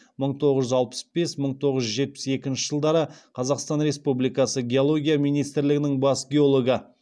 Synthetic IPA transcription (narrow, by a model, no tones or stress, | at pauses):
məɴt̪ʰo̞ʁəzʒʏzɑlˠpə̥sbe̞sməɴt̪ʰo̞ʁəʒʒʏʒe̞t̪̚pɪ̥se̞kʲɪnʃɪʒəlˠd̪ɑɾəqʰɑzɑqst̪ɑnɾe̞spublijkɑsəɡʲe̞olˠo̞ɡʲijamijnijst̪ɪɾlɪɡʲɪnɪŋbɑsɡʲe̞o̞lˠo̞ɡə